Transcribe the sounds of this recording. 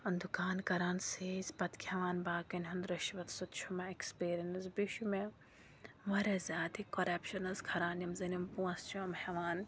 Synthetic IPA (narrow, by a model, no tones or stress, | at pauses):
ɐnd̪ukaːnkɐɾaːnsiːzʲpɐt̪kʰʲhɐʋaːnbaːkɐnʲɦɐnd̪ɾɐʃiʋɐt̪sut̪t͡ʃʰumɐekspiːɾiɐnɐzbiʃume | ʋɐɾezʲaːt̪ʰikɐɾɐpʃɐnɐzkʰɐɾaːnjɐmzɐnimpuɐ̃st͡ʃʰuɐmhɐʋaːn